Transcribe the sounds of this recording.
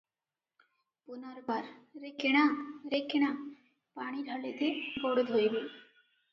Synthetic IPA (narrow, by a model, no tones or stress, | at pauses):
punɔɾbaɾɾekeɽ̃aɾekeɽ̃a | paɽ̃iɾʱɔlet̪ebɔɽod̪ʱɦojbe